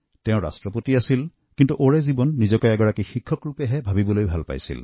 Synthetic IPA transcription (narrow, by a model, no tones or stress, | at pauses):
tɛʊ̃ɹa̰stɹɔpotiasil | kintuʔoɹɛzibɔnːizɔkɔjɛɡɔɹakixikʰːɔkɹupɛɦɛbʱabibɔlojbʱalpa̰jsḭl